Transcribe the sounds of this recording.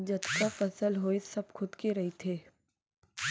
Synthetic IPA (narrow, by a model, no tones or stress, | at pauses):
d͡ʒɐt̪kafɐsəlɦoːisɐbkʰʊd̪keɾɐɦit̪ʰeː